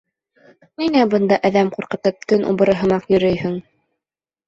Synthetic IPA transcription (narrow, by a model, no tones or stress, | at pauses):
ninæbɤ̆nd̪ɑʔæðæmquɾqɤ̆t̪ɤp̚t̪ɵnʔṵbɤ̆ɾɤ̆ɦɤ̆mɑqjɵ̆ɾɵjhɵŋ